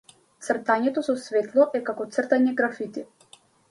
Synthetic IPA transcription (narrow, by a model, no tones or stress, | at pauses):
t̪sr̩t̪aɲɛt̪ɔsɔsvɛt̪lˠɔʔɛkakɔt̪sr̩t̪aɲɛɡɾafit̪i